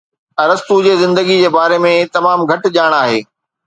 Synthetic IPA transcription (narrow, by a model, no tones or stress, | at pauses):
ɐɾəst̪ud͡ʑeːzɪ̃nd̪əɡid͡ʑeːbaːɾemẽt̪ɐmaːmɡʱɐʈ̆ʄaːɽ̃aːɦḛː